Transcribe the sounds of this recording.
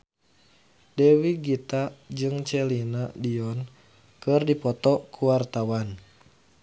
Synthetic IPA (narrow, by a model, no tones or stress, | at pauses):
dɛwiɡit̪ad͡ʒɨŋt͡ʃɛlinadiɔn | kɨrdipɔt̪ɔkʰuwart̪awan